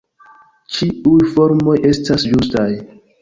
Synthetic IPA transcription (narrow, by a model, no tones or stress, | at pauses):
t͡ʃiujfo̞ɾmo̞je̞stasd͡ʒustaj